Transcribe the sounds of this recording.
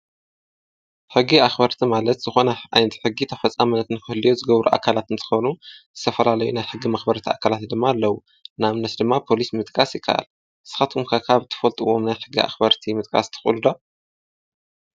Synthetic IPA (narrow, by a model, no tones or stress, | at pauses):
ħɨɡːiaxbɐɾt̪ʰimalɐt̪z̥ɨxo̞nɐʔajnɐt̪i̥ħɨɡːit̪ʰɐfɐt͡sʼːamɨnːɐt̪ɨnkʰɨhlijozɨɡɐβɾuʔa̰kʰalat̪ɨnt̪ʰɨ̥xɐβnuzɨt̪ʰɐfɐlalɐjunajħɨɡːimɐxbɐɾt̪ʰiʔa̰kʰalat̪d̪ɨmːaːlːɐwu | namnɐt̪d̪ɨmːapʰo̞lismɨt̪ʼkʼasjɪkʰːa̰ʔa̰l | sɨ̥xat̪ʰumkʰakʰaβt̪ʰɨ̥fɐlt̪ʼɨwo̞mnajħɨɡːiʔa̰xbɐɾt̪ʰimɨt̪ʼkʼa̰st̪ʰɨ̥xʼṵlud̪o